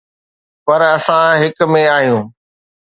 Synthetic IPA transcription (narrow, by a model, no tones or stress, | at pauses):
pɐɾɐsãɦɪkmẽaːɦjũː